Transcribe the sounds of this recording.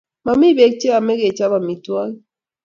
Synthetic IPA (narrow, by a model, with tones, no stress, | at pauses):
ma˨mi˦be˨˦k̚t͡ʃe˦a˨me˦ɣe˨t͡ʃa˦βa˨mi˨twa˦li˦